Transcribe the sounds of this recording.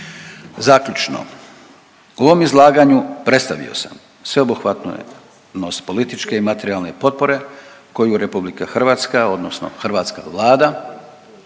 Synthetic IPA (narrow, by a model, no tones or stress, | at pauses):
zakʎut͡ʃno̰ | uo̞ʋo̞mizlˠaːɡaɲupɾet̪st̪aʋḭo̞̰sam | sʋe̞obuxʋat̪no̰jḛ | nost̪po̞lit̪it͡ʃke̞imat̪eɾialˠne̞po̞t̪̚po̞ɾe̞ | ko̞juɾepublikaxr̩ʋaːt̪skao̞d̪nosno̞̰xrʋaːt̪ska̰ʋlˠaːd̪a